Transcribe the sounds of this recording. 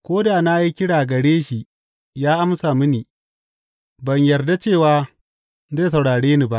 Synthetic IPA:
kʷoː˦daː˨naː˦ji˦kʲɪ˦ɽaː˨ɡɐ˨ɽeː˦ʃi˨ | jaː˦ʔa˦msa˨mɪ˦niː˨ | bɐ˨ɲjɐ˨rda˦t͡ʃeː˦˨waː˦ | zaː˦˨s̬ɐ˨wɽaː˨ɽeː˦ni˨ba˦ʔ

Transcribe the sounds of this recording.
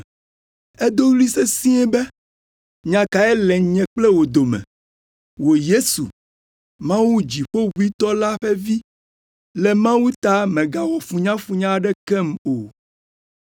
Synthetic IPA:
ɛ˦d̪o˦wli˦se˦sĩ˦ɛ˦bɛ˦ | ɲã˨ka˨ɛ˦lɛ˨ɲɛ̃˨k͡plɛ˦wo˨d̪o˨mɛ̰̃˨ | wo˨je˦sṵ˨ | mã˦wu˦d͡ʑi˨ɸo˦wu˦i˦t̪ɔ˦la˦ɸɛ˦vi˦ | lɛ˨mã˦wu˦t̪a˦mɛ̃˨ɡa˨wɔ˨fũ˨ɲã˦fũ˦ɲã˦ɖɛ˦kɛ˦mo˨

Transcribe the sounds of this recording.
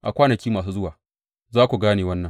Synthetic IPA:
ʔa˨kʷaː˦nɐ˨kʲiː˦maː˨s̬uː˦zʊ˦waː˨ | zaː˦kʷu˨ɡaː˦neː˨wɐ˦nːɐ˨ŋ

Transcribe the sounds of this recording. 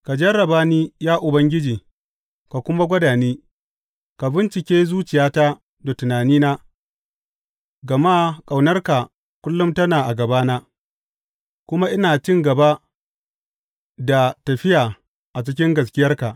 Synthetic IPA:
ka˨d͡ʒɐ˦ɾɐ˨baː˦niː˦jaː˦ʔʊ˨bɐ˦ŋɡʲɪ˦d͡ʒiː˨ | ka˨kʷʊ˦ma˦ɡʷɐ˦daː˨niː˦ | ka˨bɪ˦nt͡ʃɪ˨kʲeː˦zuː˦t͡ʃɪ˨jaː˦ta˦ | da˨tʊ˨naː˨niː˦naː˦ | ɡɐ˨maː˦kʼa˨wnɐ˦rka˨ | kʷʊ˦lːʊ˦mtɐ˦naː˨ʔa˨ɡɐ˨baː˦naː˦ | kʷʊ˦ma˦ʔɪ˦naː˨t͡ʃɪ˦ŋɡɐ˨ba˦ | da˨tɐ˨ɸɪ˦jaː˨ | ʔa˨t͡ʃɪ˦k̬ʲɪ˦ŋɡɐ˨s̬kʲɪ˦jɐ˦rka˨ʔ

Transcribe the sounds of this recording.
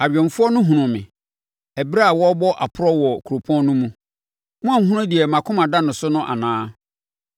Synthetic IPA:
a˨bᶣɛ̃˨nfʊ˦ɔ˦nʊ̃˦ɦũ˨nʊ̃˨mɪ̰̃˨ | ɛ˨bɾa˦a˨wɔ˦bɔ˦ʔa˨pʰʊ˦ɾɔ˦wɔ˨kʰu˨ɾo˨pʰɔ̃˦nʊ̃˦mũ˦ | mʊ̃˦ã˦˨ɦũ˦ʊ̃˦di˨ɛ˨mã˨kʰʊ̃˦mã˨da˦nʊ̃˨sʊ˦nʊ̃˦ʔa̰˨nãː˦

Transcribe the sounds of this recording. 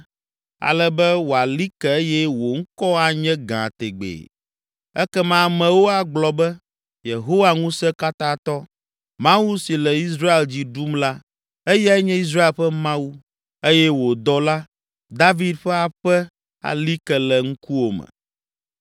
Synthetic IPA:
a̰˨lɛ˨bɛ˦wo˨a˨li˦kɛ˨e˦jɛ˦wo˨ŋ̩˦kɔ˦a˦ɲɛ̃˦ɡã̰˨t̪ḛ˨ɡ͡bḛː˨ | ɛ˦kɛ˦mã˦˨mɛ̃˨wo˦a˨ɡ͡blɔ˨bɛ˦ | je˨ɦo˦wa˨ŋũ˦sɛ˦ka˦t̪ã˦t̪ɔ˦ | mã˦wu˦si˨lɛ˨i˦s̬ɾa˦e˨ld͡ʑi˨ɖu˦mla˦ | e˦jɛ˦ɛ˦ɲɛ̃˦i˦s̬ɾa˦e˨lɸɛ˦mã˦wu˦ | e˦jɛ˦wo˨d̪ɔ˦la˦ | d̪a˦vi˦d̪ɸɛ˦a˨ɸɛ˦ | a̰˨li˦kɛ˨lɛ˨ŋ̩˦ku˦wo˨mɛ̰˨

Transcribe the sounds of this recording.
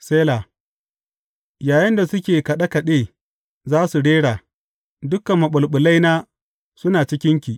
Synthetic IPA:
seː˦la˨ | jaː˨jɪ˦nda˨sʊ˦kʲeː˨kɐ˨ɗa˦kɐ˨ɗeː˦ | zaː˦su˨ɽeː˦ɽaː˨ | dʊ˦kɐ˨mːɐ˨ɓʊ˨lɓʊ˨la˦jnaː˦ | sʊ˦naː˨t͡ʃɪ˦kʲɪ˦ŋkʲiː˨ʔ

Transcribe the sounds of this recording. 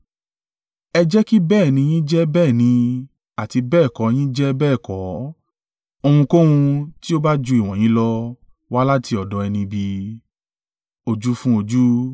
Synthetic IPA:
ɛ˧d͡ʒɛ˦ki˦bɛː˦˨nĩ˧j̃ĩ˦d͡ʒɛ˦bɛː˦˨nĩ˧ | a˨ti˧bɛː˦˨kɔ˨˦j̃ĩ˦d͡ʒɛ˦bɛː˦˨kɔ˨˦ | o˧hũ˧ko˦wũ˧ti˦o˦ba˦d͡ʒu˧i˨w̃ɔ̃˨j̃ĩ˨˦lɔ˦ | wa˦la˦tʰi˧ɔ˨dɔ˨˦ɛ˧nĩ˧bi˧ | o˧d͡ʒu˦fũ˦o˧d͡ʒu˦

